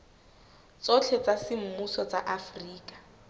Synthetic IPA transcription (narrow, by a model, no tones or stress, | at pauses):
t͡sɔt͡ɬʰɛt͡sasɪm̩musɔt͡saʔafriːkʼḁ